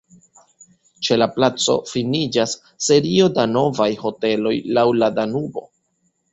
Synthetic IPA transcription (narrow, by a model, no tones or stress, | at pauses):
t͡ʃe̞laplat͡so̞̰finid͡ʒasː | e̞ɾio̞dano̞vajho̞te̞lo̞jlawladanubo̞̰